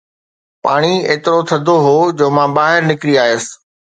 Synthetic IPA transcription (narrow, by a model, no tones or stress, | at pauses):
paːɽ̃ieːt̪ɪɾot̪ʰɐd̪ʱoɦoːd͡ʑoːmãːbaːɦɪɾnɪkɪɾiaːjəsɪ̥̆